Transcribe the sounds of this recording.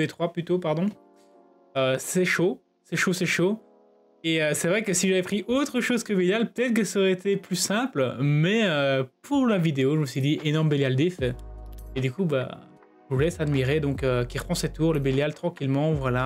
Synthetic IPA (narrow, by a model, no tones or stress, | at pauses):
et̪χwaplyt̪opaʁd̪ɔ̃ | øsɛʃo | sɛʃosɛʃo | eøsɛvʁɛkəsiʒavɛpχiʔot̪χəʃozkəbeljalpə̥t̪ɛt̪χəkəsɔʁɛet̪ʰeplysɛ̃plmɛøpʰuʁlavid̪eoʒəməsɥid̪iʔenɔʁmbeljald̪efɛed̪ykuba̰ | ʒəvulɛsad̪miʁed̪ɔ̃køkʲiʁəpʰχɑ̃set̪uʁləbeljalt̪χɑ̃kʲilmɑ̃vwala